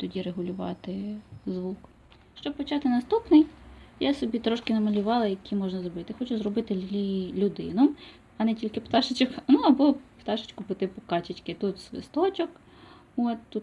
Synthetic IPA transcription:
t̪ɔdʲiɾeɦʊlʲʊʋɑ̰t̪ɪzʋuk | ʃt͡ʃɔb̚pɔt͡ʃɑt̪ɪnɐst̪upnɪjjasɔbʲit̪ɾɔʃkɪnɐmɐlʲʊʋɑlˠɐjɐkʲʰimɔʒnɐzrɔbɪt̪ɪxɔt͡ʃʊzrɔbɪt̪ɪilʲʊd̪ɪ̰nɔm | ɐnɛtʲilʲkɪpt̪ɑʃɪt͡ʃɔknuɐbɔpt̪ɑʃɪ̥t͡ʃkʊpɪt̪ɪpɔkɑt͡ʃɪt͡ʃkɪt̪ut̪sʲʋɪ̰st̪ɔt͡ʃʲɔk | ot̪t̪ut̪

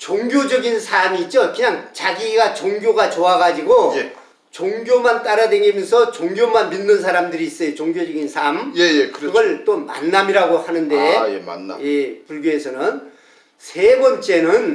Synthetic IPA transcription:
t͡ɕoŋɡjod͡ʑʌɡinsʰamiːt̚t͡ɕ͈okɯɲaŋt͡ɕaɡiɡat͡ɕoŋɡjoɡat͡ɕoaɡad͡ʑiɡoj | t͡ɕoŋɡjomant͈aɾadweŋemjʌnsʰʌt͡ɕoŋɡjomanminːɯnsʰaɾamdɯɾiːs͈ʌjot͡ɕoŋɡjod͡ʑʌɡinsʰamjejekɯɯɡʌɭt͈oma̰nːamiɾaɡohanɯnde̞jḛn̰jepuɭɡjoɦe̞sʰʌnɯn | sʰe̞bʌnt͡ɕ͈e̞nɯn

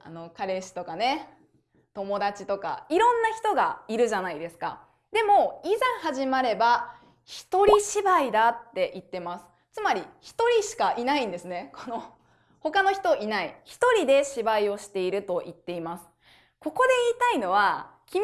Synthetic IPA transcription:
a̰no̞kaɾe̞ɕi̥t̪o̞kane̞ | t̪o̞mo̞d̪at͡ɕi̥t̪o̞ka̰iɾõ̞nːaçi̥t̪o̞ɡa̰iɾɯ̟ʑanaid̪e̞sɨ̥ka̰ | d̪e̞mo̞izãɰ̃haʑimaɾe̞ba | çi̥t̪o̞ɾʲiɕibaid̪at̪ːe̞ʔit̪ːe̞masɨ̥ | t͡sɨmaɾʲiçi̥t̪o̞ɾʲiɕi̥kaʔinaĩnd̪e̞sɨne̞kʰo̞no̞ | ho̞kano̞çi̥t̪o̞ʔinaiçi̥t̪o̞ɾʲid̪e̞ɕibaio̞ɕi̥t̪e̞iɾɯ̟t̪o̞ʔit̪ːe̞imasɨ̥ | ko̞ko̞d̪e̞iːt̪aino̞βa | kʲi

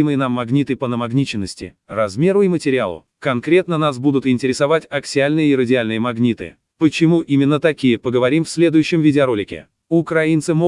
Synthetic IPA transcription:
mɨjənamːɐɡnʲit̪ɨpənəmɐɡnʲit͡ɕɪnːəsʲtʲɪ̰ | rɐzmʲe̞ɾʊimətʲɪɾʲɪa̰lˠʊ̰ | kɐnkɾʲe̞t̪nənas̬bud̪ʊt̪ɪnʲtʲɪɾʲɪsɐvatʲɐksʲɪalʲnɨjəɪɾədʲɪalʲnɨjəmɐɡnʲit̪ɨ̰ | pət͡ɕɪmuʔimʲɪnːət̪ɐkʲijəpəɡəvɐɾʲimfsʲlʲe̞d̪ʊjʉɕːɪmvʲɪdʲɪɐɾo̞lʲɪkʲɪ̰ | ʊkɾɐint̪sɨmo

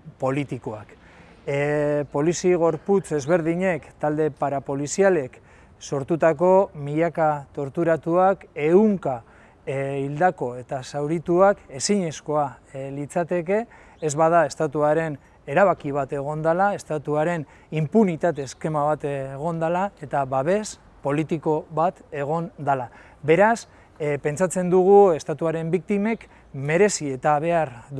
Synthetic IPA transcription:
po̞lit̪ikoak | po̞lisiɣ̞o̞ɾput͡se̞zβe̞ɾðiɲe̞kt̪ald̪e̞paɾapo̞lisiale̞k | so̞ɾt̪ut̪ako̞miʎakat̪o̞ɾt̪uɾat̪uake̞uŋka | ild̪ako̞e̞t̪asawɾit̪uake̞siɲesko̞alit͡sat̪e̞ke̞ː | zβað̞ae̞st̪at̪uaɾe̞n | e̞ɾaβakiβ̞at̪e̞ɣ̞o̞nd̪alae̞st̪at̪uaɾe̞n | impunit̪at̪eske̞maβat̪eɣ̞o̞nd̪alae̞t̪aβaβ̞e̞s | po̞lit̪iko̞βat̪e̞ɣ̞o̞nd̪ala | be̞ɾas | pe̞nt͡sat͡se̞nd̪uɣ̞ue̞st̪at̪uaɾe̞mbik̚t̪ime̞k | me̞ɾe̞sie̞t̪aβ̞e̞aɾd̪

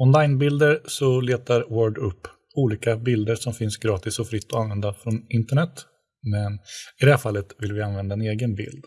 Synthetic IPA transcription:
ɔnlajnbɪld̪əɾsɔleːt̪aɾwœɖɵpː | uːliːkabɪld̪əɾʂɔmfɪnsɡɾɑːt̪ɪsɔfɾɪt̪ːɔanvɛnd̪afɾɔnɪnt̪əɳɛt̪ː | mɛnɪd̪ɛhæːɾfalːət̪vɪlvɪanvɛnd̪aɛneːɡənbɪ̰ld̪

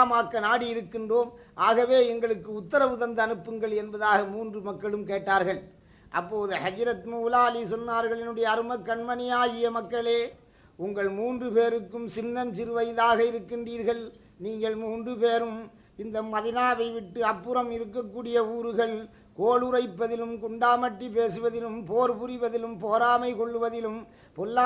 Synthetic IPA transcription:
maːkːɐnaːɽiɪɾɯkːɪndroːmʔaːɣɐʋeːɛŋɡɐɭɯkːɯʊt̪ːɐɾɐʋɯðɐnd̪ɐːnɯpːɯŋɡɐɭɛnbɐðaːɣɐmuːndrɯmɐkːɐɭɯmkeːʈːaːɾɣɐɭ | ʔɐpːoːðɯhɐd͡ʒɐɾɐt̪muːlaːlisɔnːaːɾɣɐɭɛnɯɽɐjɐːɾɯmɐkːɐɳmɐnɪjaːɣɪjɐmɐkːɐɭeː | ʊŋɡɐɭmuːndrɯpeːɾɯkːɯmsɪnːɐmt͡ʃɪɾɯʋɐjɪlaːɣɐɪɾɯkːɪndriːɾɣɐɭ | niːŋɡɐɭmuːndrɯpeːɾɯm | ɪnd̪ɐmɐðɪnaːʋɐɪʋɪʈːɯɐpːɯɾɐmɪɾɯkːɐkːuːɽɪjɐuːɾɯɣɐɭ | koːɭɯɾɐɪpːɐðɪlɯmkʊɳɖaːmɐʈːip̬eːsɯʋɐðɪlɯmpoːɾpʊɾɪʋɐðɪlɯmpoːɾaːmɐɪkɔɭːɯʋɐðɪlɯm | pɔlːaː

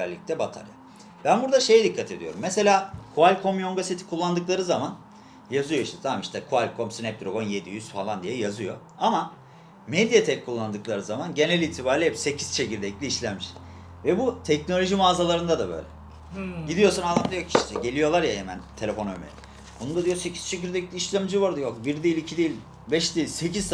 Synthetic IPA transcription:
ɛlʲːic̚t̪ʰɛbat̪ʰa̰ɾja̰ | b̥ænbuɾd̪aʃe̞jɛd̪ikʰːat̪ʰe̞d̪ijoɾumːese̞lʲaːkʰualʲkʰo̞mjoŋɡaset̪ʰi̥kʰulˠːand̪ɯklˠaɾɯzaman | jazɯjo̞iʃt̪ʰɛ̥t̪ʰamamiʃt̪ʰɛkʰualʲkʰo̞msinɛp̚d̪ɾo̞ɡo̞nje̞d̪ijyzfalˠand̪ijɛjazɯjo̞̰ | ama | med̪ijat̪ʰɛlkʰulˠːand̪ɯklˠaɾɯzamanɟe̞nælʲit̪ʰibaːɾlʲiɛpse̞cʰi̥z̥t͡ʃʰe̞ciɾd̪ɛclʲiiʃlʲænmiʃ | vɛbut̪ʰɛcno̞lʲo̞ʒimaːzalˠaɾɯnd̪ad̪abø̞̰jlʲɛ̰ | ɟid̪ijo̞sanaamd̪ajo̞kiʃt̪ʰɛɟe̞lʲijo̞lˠaɾjaɦemænt̪ʰelʲefo̞nømḛɾʲḭ | bunund̪ad̪ijose̞cʰiz̥t͡ʃʰe̞ciɾd̪ɛclʲiiʃlʲæmd͡ʒiβoɾd̪ajokbiɾd̪eilʲicʰid̪ejilʲ | bɛʃd̪eilʲseciz̥t̪

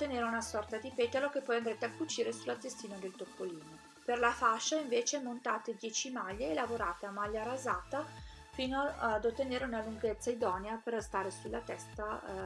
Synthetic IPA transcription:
t̪ːeneːɾeunasɔrt̪ad̪ipet̪alokepːɔjand̪ɾet̪eakːut͡ʃiːɾesulːat̪est̪iːnad̪elt̪opːoliːno | perlafaʃːaiɱveːt͡ʃemont̪aːt̪ed̪jɛːt͡ʃimaʎːeːlavoɾaːt̪eamaʎːaɾazaːt̪a | fiːnod̪ot̪ːeneɾeunaluŋɡet̪sːaid̪ɔːneaperst̪aːɾesulːat̪ɛst̪a

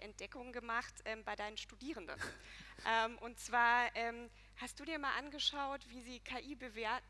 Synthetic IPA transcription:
ʔɛnt̚d̥ɛkʊŋɡəmaχtʔɛːmbaɪdaɪnəmʃtudiːʁ̞əndə̰nʔɛːmʔʊntt͡sv̥aːɐʔɛːm | hast̚d̥uːdiːɐmaːlʔanɡəʃaʊtv̥iːziːkʰaːʔiːbəveːɐt̩̚

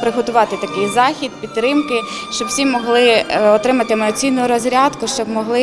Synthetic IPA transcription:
pɾɪɦɔt̪ʊʋɑt̪ɪt̪ɐkɪjzɑxʲid̪̚pʲit̪ːɾɪmkɪ | ʃt͡ʃɔbwsʲimɔɦlˠɪɔt̪ɾɪmɐt̪ɪmɐɔt͡sʲijnʊʊɾɔzʲɾʲɑd̪kʊʃt͡ʃɔbmɔɦlˠɪ

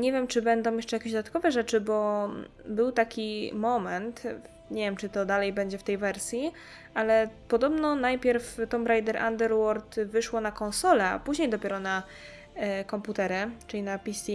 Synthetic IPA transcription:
ɲɛvʲjɛmt͡ʂɘbɛnd̪ɔ̃w̃jɛʂt͡ʂɛjakʲeʑd̪d̪at̪kɔvɛʐɛt͡ʂɘbɔ | bɘwt̪akʲimɔmɛnt̪ | ɲevjɛmt͡ʂɘt̪ɔd̪alɛjbɛɲd͡ʑɛft̪ɛjvɛɾsʲji | alɛpɔd̪ɔbnɔnajpʲjɛɾft̪ɔmɾajd̪ɛɾʔa̰nd̪ɛɾwɔɾt̪vɘʂwɔnakɔ̃nsɔlɛa̰puʑɲejd̪ɔpʲɛɾɔna | kɔmput̪ɛɾɘt͡ʂɘlʲinapʲisʲi

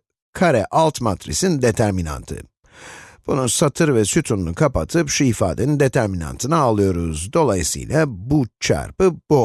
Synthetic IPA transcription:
kʰaɾɛʔalˠt̪mat̪ɾḭsind̪e̞t̪ʰæɾmina̰nt̪ʰɯ̰ | b̥unusat̪ʰɯɾvɛsyt̪ʰunnukʰapat̪ʰɯpʃuifa̰ːd̪enind̪e̞t̪ʰæɾmina̰nt̪ʰɯnaalˠɯjo̞ɾuzd̪o̞lˠajisɯ̰jlʲˠabut͡ʃʰa̰ɾpɯb̥o

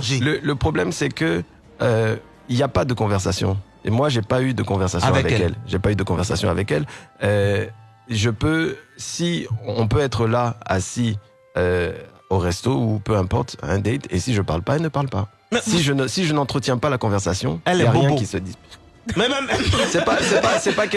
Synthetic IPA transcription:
ʒlələpχɔblɛmsɛkə | ø | iljapad̪əkɔ̃vɛʁsasjɔ̰̃ | ḛmwaʒepayd̪əkɔ̃vɛʁsasɔ̃vavɛkɛlʒepayd̪əkɔ̃vɛʁsa̰sjɔ̃a̰vɛkɛlø | ʒəpøsiɔ̃pøɛt̪χəlaa̰si | ø | oʁɛst̪oupøɛ̃pɔʁt̪ɛ̰̃d̪ɛt̪ḛsiʒəpaʁlpaɛlnəpaʁlpa | ɛsiʒənsiʒənɑ̃t̪χət̪jɛ̃palakɔ̃vɛʁsasjɔ̰̃ɛlljaʁjɛ̃kisəd̪i | mɛmɛsɛpasɛpasɛpakɛ

